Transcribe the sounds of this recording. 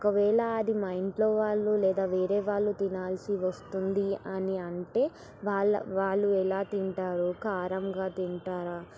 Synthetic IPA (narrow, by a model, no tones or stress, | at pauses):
ɔkɐʋɛːɭɐːd̪imɐjiɳʈlo̞ːʋaːɭːulɛːd̪aːʋeːɾe̞ːʋaːɭːut̪inaːlsiʋɐst̪und̪iɐniɐɳʈe̞ː | ʋaːɭːɐ̰ʋaːɭːuɛlaːt̪iɳʈaːɾukaːɾɐmɡaːt̪iɳʈaːɾaː